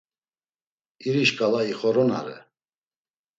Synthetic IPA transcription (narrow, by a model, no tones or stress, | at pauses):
iɾiʃkʼalaiχɔɾɔna̰ɾɛ̰